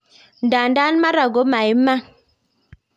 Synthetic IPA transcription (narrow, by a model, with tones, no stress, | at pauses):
n̩˨da˨n˦da˦n˦ma˦ɾa˨ɡo˨˦ma˨i˦ma˦